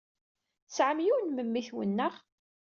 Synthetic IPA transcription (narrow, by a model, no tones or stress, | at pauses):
sʕəmjuwnməmːiθwə̰nːəʁ